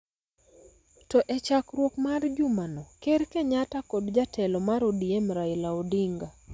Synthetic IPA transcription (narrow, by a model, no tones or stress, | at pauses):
tɔʔɛt͡ʃakɾwokmard͡ʒʊmanɔkeɾkeɲatakodd͡ʒatʰɛlɔmaɾodiemɾaɪlaodiŋɡa